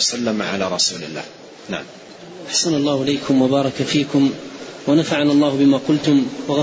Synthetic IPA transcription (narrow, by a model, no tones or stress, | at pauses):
salːamʕa̰laːɾˤɑsṵːlɪ̰lːa̰ːh | na̰ʕam | ʔaħsanalˤːɑːhʊʔɪlejkʰʊmwabɑːɾˤɑkafiːkʊmwanafaʕanalˤːɑːhʊbɪmaːqʊlt̪ʊmwɑɣ